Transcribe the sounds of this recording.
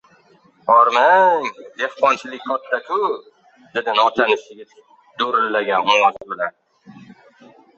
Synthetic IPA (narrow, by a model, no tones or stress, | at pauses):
ɒɾmaŋd̪e̞hqɒnt͡ʃʰɪlɪk̚ʲkʰɒt̪ːakʰʊ | d̪̥ed̪ɪnɒt͡ʃʰanɪʃɪɡʲa | d̪oɾɪlːaɡʲanʊɒzbɪlan